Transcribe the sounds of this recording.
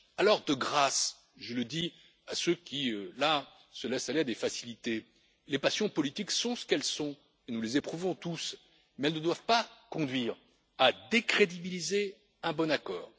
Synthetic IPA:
alɔʁd̪əɡʁas | ʒələd̪i | asøkʲiøla | səlɛsalead̪efasilit̪e | lepasjɔ̃pɔlit̪iksɔ̃sə̥kɛlsɔ̃ | enulezepχuvɔ̃t̪us | mɛɛlnəd̪wavpakɔ̃d̪ɥiːʁ | ad̪ekχed̪ibilize | ɛ̃bɔnakɔːʁ

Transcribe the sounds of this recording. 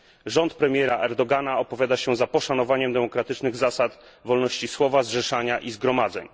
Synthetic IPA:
ʐɔnt̪pɾɛmʲjɛɾaʔɛɾd̪ɔɡanaɔpɔvʲjad̪aɕɛzapɔʂanɔvaɲɛmd̪ɛmɔkɾat̪ɘt͡ʂnɘɣzasat̪ | vɔlnɔɕt͡ɕiswɔvazʐɛʂaɲaʔizɡɾɔmad̪zɛ̰ɲ

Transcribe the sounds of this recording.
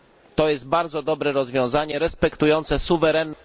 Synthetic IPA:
t̪ɔjɛst̪̚baɾd̪zɔd̪ɔbɾɛɾɔzvʲjɔ̃w̃zaɲɛɾɛspɛkt̪ujɔnt̪sɛsuvɛɾɛnː

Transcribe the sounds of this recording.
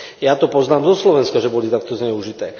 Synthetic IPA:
jat̪ɔpɔznaːmzɔslɔʋɛnskaʒɛbɔlit̪ak̚t̪ɔzɲɛuʒit̪ɛː

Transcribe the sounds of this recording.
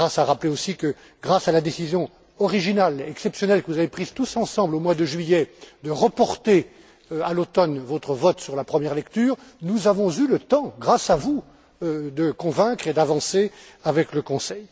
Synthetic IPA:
ʁasaʁapleosikə | ɡʁasalad̪esizjɔ̃ | ɔʁiʒinalɛksɛpsjɔnɛlkəvuzavepχizt̪usɑ̃sɑ̃blomwad̪əʒɥijɛd̪əʁəpɔʁt̪e | alot̪ɔnvot̪χəvɔt̪syʁlapχəmjɛʁlɛkt̪yːʁnuzavɔ̃zylət̪ɑ̃ɡʁasavu | d̪əkɔ̃vɛ̃kχed̪avɑ̃seavɛkləkɔ̃sɛj

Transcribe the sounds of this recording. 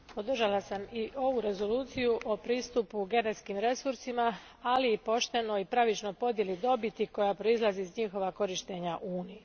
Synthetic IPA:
po̞d̪r̩ʒalasamiʔo̞ʋuɾe̞zo̞luːt̪sijuʔo̞pɾiːst̪upuɡe̞net̪skiːmɾe̞suɾsima | aliːpo̞ʃt̪e̞no̞ipɾaʋit͡ʃno̞jpo̞d̪je̞lid̪o̞bit̪iko̞japɾo̞izlˠazizɲixo̞ʋako̞ɾiʃt̪e̞ɲaʔuːniji

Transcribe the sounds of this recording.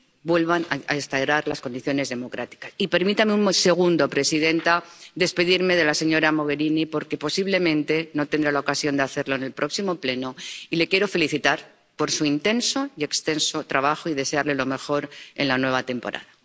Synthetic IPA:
bwe̞lβana̰a̰est̪ajɾaɾlasko̞nd̪iθjo̞ne̞zðe̞mo̞kɾat̪i̥kasipe̞ɾmit̪ameumse̞ɣ̞und̪opɾe̞siðe̞nt̪aðe̞spe̞ðiɾme̞ð̞e̞lase̞ɲo̞ɾamo̞ɣ̞e̞ɾinipo̞ɾkepo̞siβle̞mẽ̞nt̪e̞no̞t̪end̪ɾalaokasjo̞nd̪eaθe̞ɾlo̞ene̞lpɾʔo̞ksimo̞ple̞no̞ile̞kje̞ɾo̞fe̞liθit̪aɾ | po̞ɾsuint̪e̞nso̞ie̞kst̪e̞nso̞t̪ɾaβaxoiðe̞seaɾle̞lo̞me̞xo̞ɾe̞̰nlanwe̞β̞at̪e̞mpo̞̰ɾʔa̰ða

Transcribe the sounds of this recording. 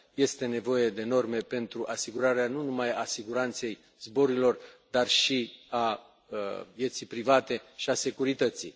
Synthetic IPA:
je̞st̪e̞ne̞vo̞je̞d̪e̞no̞rme̞pe̞nt̪ɾuʔasiɡuɾaɾeanunumajasiɡuɾant̪se̞j | zbo̞ɾuilo̞rd̪arʃia | vje̞t̪sipɾivat̪e̞ʃiase̞kuɾit̪ət̪si

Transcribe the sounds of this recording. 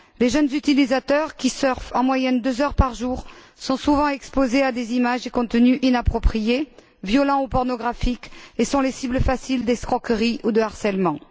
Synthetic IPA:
leʒœnzyt̪ilizat̪œʁkʲisœʁfɑ̃mwajɛnd̪øzœʁpaʁʒuʁ | sɔ̃suvɑ̃ɛkspozead̪ezimaʒekɔ̃t̪ənyʔinapχɔpχije | vjɔlɑ̃upɔʁnɔɡʁafikesɔ̃lesibləfasild̪ɛskχɔkəʁiʔud̪əaʁsɛlmɑ̃

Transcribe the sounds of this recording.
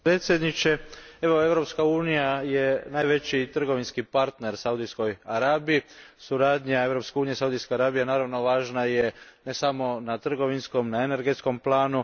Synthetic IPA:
pɾet̪sje̞d̪nit͡ʃe̞e̞ʋo̞e̞ʋɾo̞pskauːnijaje̞naːjʋe̞t͡ɕit̪r̩ɡo̞ʋinskipaɾt̪ne̞ɾsaud̪isko̞jaɾaːbijisuɾaːd̪ɲae̞ʋɾo̞pske̞uːnijesaud̪iskeaɾaːbijanaːɾaʋno̞ʋaːʒnajene̞samo̞nat̪r̩ɡo̞ʋinsko̞mnaene̞ɾɡe̞t̪sko̞mplaːnu

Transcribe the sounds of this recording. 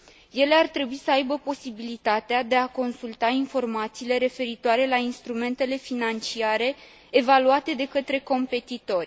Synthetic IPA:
je̞le̞art̪ɾe̞buisəajbəpo̞sibilit̪at̪ead̪e̞ako̞nsult̪ainfo̞rmat̪siːle̞ɾe̞fe̞ɾit̪oaɾe̞lainst̪ɾume̞nt̪e̞le̞finant͡ʃiaɾe̞ː | valuat̪e̞d̪e̞kət̪ɾe̞ko̞mpe̞t̪it̪o̞rʲ

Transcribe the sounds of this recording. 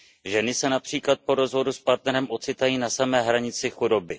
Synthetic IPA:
ʒɛnɪsɛnapr̝̥iːklat̪̚po̞ɾo̞zvo̞duspaɾt̪nɛɾɛmʔo̞t͡sɪt̪ajiːnasamɛːɦɾaɲɪt͡sɪxudo̞bɪ

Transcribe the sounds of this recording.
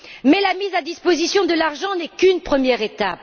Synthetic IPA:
mɛlamizad̪ispozisjɔ̃d̪əlaʁʒɑ̃nɛkynpχəmjɛʁet̪a̰p

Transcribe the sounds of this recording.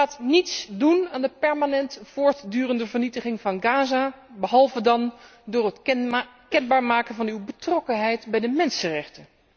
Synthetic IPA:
aːtnitsdunaːndəpɛɹmanɛntfʊːɹtdyːrəndəvəɹnitəχɪŋvɑnɡaːzabəɦɑlˠvədɑndʊːɹət | kɛnbaːɹmaːkənvɑnywbətrɔkənɦɛjtbɛjdəmɛnsərɛχtə

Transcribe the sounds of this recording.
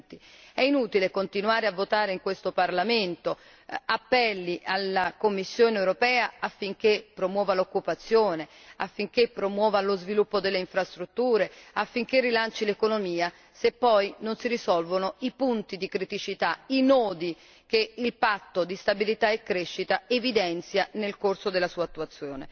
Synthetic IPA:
t̪iɛinuːt̪ilekont̪inuaːɾeavːot̪aːɾeiŋkwest̪oparlament̪o | apːɛlːiʔalːakomːisːjoːneewɾopɛːaafːiŋk̟epːɾomwɔːvalokːupat̪sːjoːne | afːiŋk̟epːɾomwɔːvalozvilupːod̪elːeiɱfɾast̪ɾut̪ːuːɾeafːiŋk̟erːilant͡ʃilekonomiːa | sepːɔjnonsirisɔlvonoipunt̪id̪ikɾit̪it͡ʃit̪ainɔːd̪i | k̟eilpat̪ːod̪ist̪abilit̪aekːɾeʃːit̪aevid̪ɛnt̪sjanelkorsod̪elːasuːat̪ːuat̪sːjoːnḛ

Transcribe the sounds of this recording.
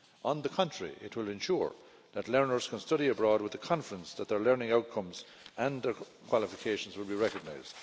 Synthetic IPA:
ə̃nðəkʰʌ̃nt͡ʃɹ̥əɹḭʔɪ̰t̚wɪlɨ̃nʃṵɹ | ðətˡlɜ˞nə˞z̥kʰə̃nstʌɾiəbɹɔːd̚wɨðəkʰɑ̃nfəɹə̃nsðət̪̚ðə˞lɜ˞nɪ̃ŋaʊt̚kʰʌ̃mz | ə̃nðə˞ | kʰw̥ɑlˠɪfɪkʰeɪʃə̃n̩zwɪlˠbiɹɛkəɡ̚naɪzd̥

